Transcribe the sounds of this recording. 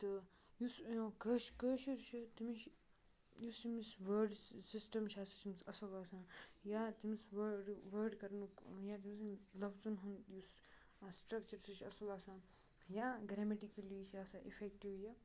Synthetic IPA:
t̪ɨ | jusjõkəːʃkəːʃiɾt͡ʃʰit̪imiʃ | jusimisʋəɾɖsisʈɐmt͡ʃʰaːsit͡ʃimsɐsɐlaːsãːjat̪imisʋɐɖʋəːɾɖkɐɾnujaːt̪̬imisnlɐbzunɦunjus | sʈɾɐkt͡ʃɐɾsiɾt͡ʃʰɐsɐlaːsãː | jaːɡɾemeʈikɐlit͡ʃʰaːsaːʔḭfʰekʈiʋjɐ

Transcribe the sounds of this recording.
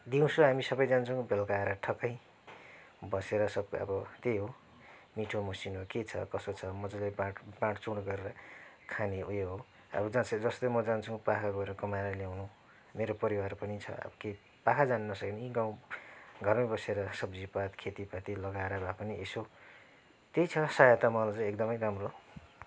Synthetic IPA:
d̪iũsoɦamisʌbʌjd͡zant͡sʰʌw̃belkaɾaʈʰʌkʌj | bʌseɾʌsʌb̚kʌ̰bʌt̪eɦo | miʈʰomʌsinɦoket͡sʰʌ̰kʌsot͡sʰʌmʌd͡zʌlebaʈbãʈʰt͡suɽɡʌɾeɾʌ | kʰaneujeɦo | ʌ̰bʌd͡zasʰd͡zʌst̪omʌd͡zant͡sʰʌw̃pakʰaɡoeɾʌkʌmaɾaljawnu | meɾopʌɾiwarpʌnit͡sʰʌ̰ʌ̰bʌke | pakʰad͡zanunʌsʌkiniɡãw̃ɡʱʌrmʌbʌseɾʌsʌbd͡zipat̪kʰet̪ipat̪ilʌɡaɾabʱapʌnieso | t̪ejt͡sʰʌsajʌt̪amʌlat͡sʌj̃ekd̪ʌmʌjɾamro

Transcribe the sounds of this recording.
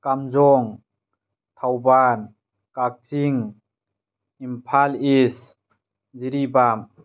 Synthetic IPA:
kamzɔŋ | t̪ʰawban | kak̚t͡ʃiŋ | impʰalis | ziɾibam

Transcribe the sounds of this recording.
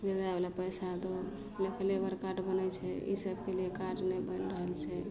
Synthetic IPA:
bed̪abelapəjsat̪o | lekʰəlebəɾkaʈbənət͡ʃʰɛḭsəbkeliekaʈnebənɾəɦəlt͡ʃʰɛ

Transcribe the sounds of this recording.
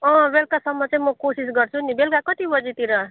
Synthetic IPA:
ʌ̃belkasʌmːʌt͡saĩmʌkosis̬ɡʌɾt͡sʰunibelkakʌt̪ibʌd͡zit̪iɾʌ

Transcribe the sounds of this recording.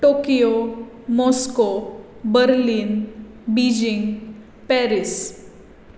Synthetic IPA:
ʈokijo | mɔskobəɾliːn | bid͡ʑiŋɡ | pɛɾis

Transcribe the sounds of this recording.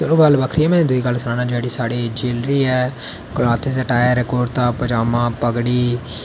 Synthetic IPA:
t͡ʃəlõːɡəlːʋəkʰɾiːɛːmɛ̃ːnẽd̪ʊiːɡəlːsəɾãːnãːd͡ʒaːɽiːsaːɽeːd͡ʒeːlɾiːɛː | klaːt̪ʰːesəʈaːjɾɛkɔːɖt̪ãːpəd͡ʒaːmãːpəɡɽiː

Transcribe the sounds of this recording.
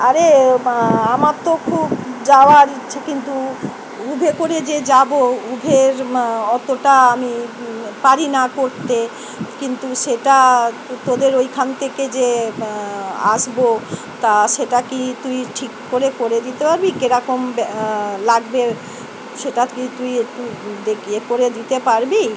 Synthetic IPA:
aɾe | amaɾt̪okʰubd͡ʑaoaɾiːt͡ɕʰekint̪u | ubʱekoɾed͡ʑed͡ʑaboubʱeɾɔt̪oʈaamipaɾinakoɾt̪e | kint̪uʃeʈa | t̪od̪eɾojkʰant̪ʰeked͡ʑe | aʃbo | t̪aʃeʈakit̪uiʈʰikːoɾekoɾed̪it̪epaɾbikeɾɔkomblaɡbe | ʃeʈakit̪ujt̪ud̪ekʰiekoɾed̪it̪epaɾbi

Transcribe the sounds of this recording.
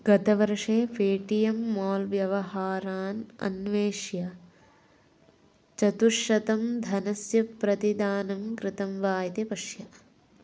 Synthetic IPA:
ɡɐt̪ɐʋɐɾʂeːfʰeːʈijɐmːoːlʋjɐʋɐɦaːɾaːnɐ̰nʋeːʃjɐ | t͡ʃɐt̪uʃɐt̪ɐmd̪ʱɐnɐsjɐpɾɐt̪id̪aːnɐmkɾɪt̪ɐmʋaːjt̪ipɐʂjɐ

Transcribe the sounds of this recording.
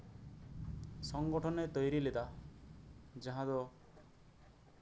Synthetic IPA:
sɔŋɡɔʈʰɔnet̪ɔjɾiled̪a | d͡ʒaɦãd̪ɔ

